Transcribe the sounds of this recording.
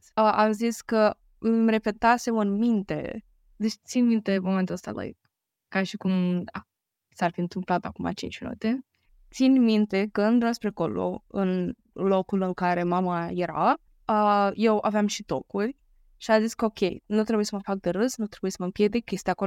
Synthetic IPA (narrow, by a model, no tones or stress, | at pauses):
əʔaziskə | ɨmre̞pe̞t̪asevɨnmint̪e̞̰ | d̪et͡ʃt̪sinmint̪e̞moment̪uləst̪a̰la̰jk̚ | kaʃikum | sarfiɨnt̪ɨmplat̪a̰kuma̰t͡ʃḭnt͡ʃmḭnṵt̪e | t̪sinʲmint̪e̞kəɨnd̪uɾaspɾeako̞lo̰ɨn | lo̞kulɨŋkaɾe̞mamaje̞ɾa̰ | əje̞waveamʃit̪o̞kurʲ | ʃiaziskəokʲe̞jnut̪ɾeujesəməfak̚d̪eɾɨsnut̪ɾebujesəməmpjed̪ik̚kʲːe̞st̪ʲijako